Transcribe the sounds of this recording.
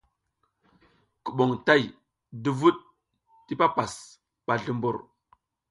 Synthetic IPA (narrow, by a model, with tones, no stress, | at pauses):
ku˨ɓo˨ŋta˦j | du˨vu˦ɗ̚ | ti˦pa˦pa˨s | ɓa˨ɮu˨mbṵ˨ɾ